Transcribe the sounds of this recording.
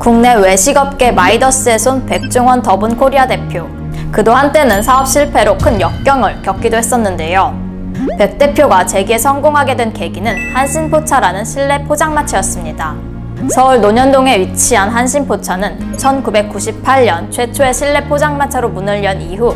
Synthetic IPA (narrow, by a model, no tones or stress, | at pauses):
kuŋne̞we̞ɕʰiɡʌp̚k͈e̞maidʌs͈ɯe̞sʰonpe̞k̚t͡ɕ͈uŋwʌntʌbunkʰoɾiade̞pʰjo | kɯdohant͈e̞nɯnsʰaʌp̚ɕ͈iɭpʰe̞ɾokʰɯnjʌk̚k͈jʌŋɯɭkjʌk͈̚idoɦe̞s͈ʌnːɯnde̞jo | pe̞k̚t͈e̞pʰjoɡat͡ɕe̞ɡie̞sʰʌŋɡoŋɦaɡe̞dwe̞nke̞ɡinɯnhanɕʰinpʰot͡ɕʰaɾanɯnɕʰiɭːe̞pʰod͡ʑaŋmat͡ɕʰajʌs͈ɯmɲida | sʰʌuɭnoɲʌndoŋe̞ɥit͡ɕʰiɦanɦanɕʰinpʰot͡ɕʰanɯnt͡ɕʰʌnkube̞k̚k͈uɕʰip̚pʰaʎːʌnt͡ɕʰwe̞t͡ɕʰoe̞ɕʰiɭːe̞pʰod͡ʑaŋmat͡ɕʰaɾomunɯʎːʌniɦu